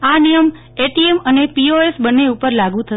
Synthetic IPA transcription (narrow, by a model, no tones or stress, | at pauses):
anijəm | eʈiemənepioesbənːeupəɾlaɡũt̪ʰə